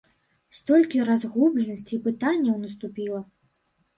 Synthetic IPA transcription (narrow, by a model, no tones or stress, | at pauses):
st̪ɔlʲkʲiɾazɣublʲɛnɐsʲt͡sʲiːpɨt̪anʲːɐwnɐst̪upʲilˠɐ